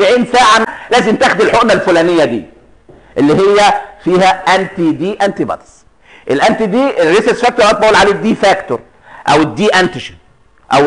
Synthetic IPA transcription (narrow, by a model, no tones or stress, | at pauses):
ʕiːnsaːʕanlæːzɪmt̪æxd̪ɪlħoʔmælfulæːnɪjːæd̪ḭː | ʔelːiɦɪjːæfiːhæʔænt̪id̪iːʔænt̪ibɑ̰t̪s | ʔelʔænt̪iːd̪iːʔɾːiseɾsfæk̚t̪oɾˤʔɑt̪̚bæʔuːlʕaleːd̪iːfæːkt̪oɾˤ | ʔæ̰wɪd̪ːiːʔænt̪ɪʃi | ʔæw